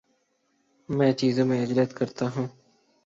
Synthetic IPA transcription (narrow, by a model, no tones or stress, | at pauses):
mɛ̃ːt͡ʃiːzõːmẽɪd͡ʒlət̪kəɾt̪aːɦũː